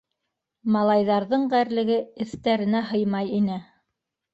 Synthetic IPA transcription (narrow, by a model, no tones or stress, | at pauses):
mɑlˠɑjðɑɾðɤɴɢæɾlɘ̆ɡɘɘ̆θt̪æɾɘ̆næɦɤjmɑjinɘ